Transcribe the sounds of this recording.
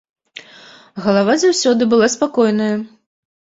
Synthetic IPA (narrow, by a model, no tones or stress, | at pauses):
ɣɐlˠavazawsʲɔd̪ɨbɨlˠaspakɔjn̪ɐjɐ